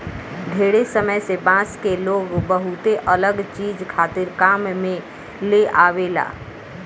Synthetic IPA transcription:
d̪ʱeːɽesəməjsebãskeloːɡbəɦut̪eʔələɡt͡ʃiːd͡ʒkʰaːt̪ɪɾkaːmmẽ | leʔaːʋela̰ː

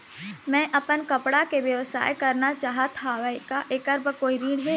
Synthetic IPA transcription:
mɛ̃ʔɐpənkɐpɽakeʋjɐʋəsa̰ːjkɐɾnat͡ʃaːɦat̪ʰaʋəkaʔeːkəɾbəkoːiɾiːɽɦe

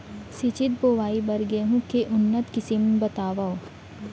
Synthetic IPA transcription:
sit͡ʃɪt̪̚boːʋaːibɐɾɡeɦũkeʔʊnːət̪kɪsimbɐt̪aːʋao

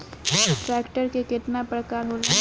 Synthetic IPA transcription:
ʈɾɛːkʈəɾkekɪt̪napɾəkaːɾɦola

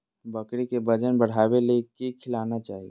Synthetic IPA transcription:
bəkɽikebəd͡ʒənbəɽ̤abelekikʰɪlanat͡ʃaːɦie

